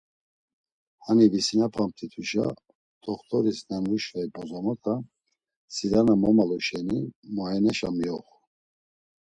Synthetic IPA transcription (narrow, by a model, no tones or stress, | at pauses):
hanivisinapʰamp̚t̪ʰit̪ʰuʃa̰ | t̪ʰɔχt̪ʰʼɔɾisnɛnvuʃvaipʰʼɔzɔmɔk̪ʰʼa | siɾanamɔmalɔʃɛnimaɛnɛʃamiɔχu